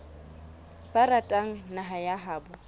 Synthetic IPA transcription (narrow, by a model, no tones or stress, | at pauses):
b̥aratʼaŋ̩naɦajaɦaːbʊ